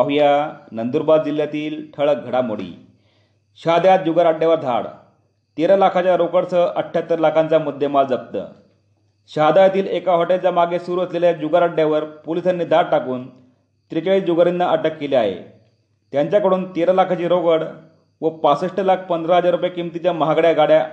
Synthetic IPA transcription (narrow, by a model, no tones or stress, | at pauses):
aɦujanənd̪uɾbad̪d͡ʑiljat̪iːlʈʰəɭəɡʱəɽamoɽḭː | ɕad̪jat̪̚d͡ʑuɡaɾaɖːjaʋəɾd̪ʱa̰ɽ | t̪eɾalakʰat͡ɕjaɾokəɽt͡səʔəʈʰjat̪ːəɾlakʰãnt͡samud̪ʱːemald͡zəp̚t̪ə̰ː | ɕad̪ajat̪iːlekaɦoʈelt͡ɕjamaɡesuɾuəsleljad͡ʑuɡaɾaɖjaʋəɾpolisanːiːd̪ʱaɽʈakuːn | t̪ɾikaɭiːd͡ʑuɡəɾinːaʔəʈəkːelia̰ɦḛ | t̪jaɲt͡ɕjakəɽuːnt̪eɾalakʰat͡ɕiːɾokəɽ | ʋəpasəʂʈəlak̚ʰpənd̪ʱɾaɦəd͡zaɾupjakimt̪it͡ɕjaməɦaɡɽjaɡaɽja